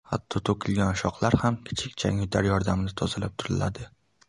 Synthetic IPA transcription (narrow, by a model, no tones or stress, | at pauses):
hat̪ʰːɒt̪ʰokʲʰɪlɡʲanʃɒqlˠaɾhamkʲʰɪ̥t͡ʃʰɪk̚ʲt͡ʃʰa̰ŋʊd̪ʰaɾjɒɾd̪amnɪt̪ʰɒzɪlap̚t̪ʰʊɾɪla̰d̪ɪ